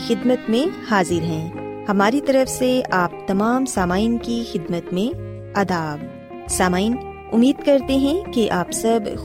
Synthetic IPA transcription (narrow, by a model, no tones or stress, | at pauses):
xɪd̪mət̪mẽhaːzɪɾɦɛ̃ːhɐmaːɾit̪ɐɾəfseaːp̚t̪ɐmaːmsaːmaːinkixɪd̪mət̪mẽ | ɐd̪aːb | saːmaːin | ʊmːiːd̪kɐɾt̪eɦɛ̃keʔaːpsɐb